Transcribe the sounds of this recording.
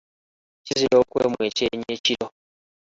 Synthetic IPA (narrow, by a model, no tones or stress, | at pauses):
ciziɾoːkweːmwe̞ceɲeciɾo